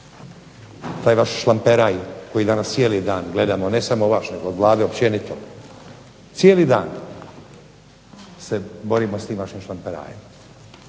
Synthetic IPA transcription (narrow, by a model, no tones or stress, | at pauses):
t̪aːjʋaʃʃlˠampeɾajko̞jid̪anast̪sijeːlid̪aːnɡle̞d̪amone̞samoʋaʃne̞ɡoːd̪lˠaːd̪eopt͡ɕe̞nit̪o | t̪sijelid̪a̰ːn | se̞bo̞ɾimost̪iːmʋaʃimʃlampeɾa̰ːjem